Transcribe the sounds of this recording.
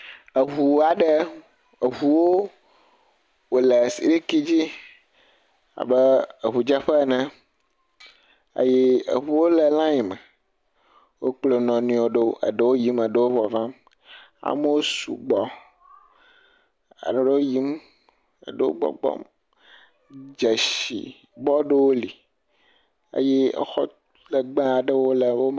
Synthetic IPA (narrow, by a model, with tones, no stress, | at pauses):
ə˨ɦu˨˦a˨ɖə˦ | ə˨ɦu˨wo˦ | wo˨le˨si˨ɾi˦ki˦d͡ʑi˦ | a̰˨bə˦ə˨ɦu˨d͡ʒɛ˦ɸɛ˦˨nɛ̃˦ | ə̰˦ji˦ə̰˨ɦu˨˦wo˦lɛ˨lã˦ji˨mɛ̃˨ | wo˦k͡plo˨nɔ̃˨nũ˨o˨ɖe˦ə̰˨ɖə˦wo˦ji˦mə˨ɖə˦wo˦vɔ˨vã˦m | a̰˦me˦wo˦sṵ˨ɡ͡bɔ˦ | a̰˨ɖe˨ɖe˦wo˦ji˦m | ə̰˨ɖe˦wo̰˦ɡ͡bɔ̰˦ɡ͡bɔ̰˦m | d͡ʒe˨ʃḭ˨ | bɔ˦ɖe˦wo˦li˨ | ə̰˦jɛ̰˦˨xɔ˦ | lə˨ɡ͡bã˦a˨ɖə˦wo˦lə˨wo˦